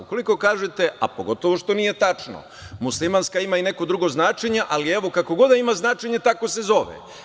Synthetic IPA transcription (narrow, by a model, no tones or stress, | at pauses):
uko̞liko̞kaːʒet̪e̞a̰po̞̰ɡo̞t̪o̞ʋo̞ʃt̪o̞nije̞t̪at͡ʂno̰ | muslˠimanskaimaine̞ko̞d̪ɾuɡo̞znaːt͡ʃeɲeʔalieʋo̞kako̞ɡo̞d̪aimaznaːt͡ʃe̞ɲe̞t̪ako̞se̞zo̞ʋḛ